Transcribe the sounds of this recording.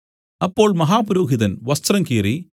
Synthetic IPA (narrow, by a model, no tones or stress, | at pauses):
ɐpːoːɭmɐɦaːpʊɾoːɣɪðɐnʋɐst̪ɾɐŋkiːɾi